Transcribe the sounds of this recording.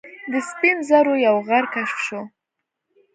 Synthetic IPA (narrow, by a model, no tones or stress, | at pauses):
d̪əspinzaɾojawɣaɾkaʂfʂo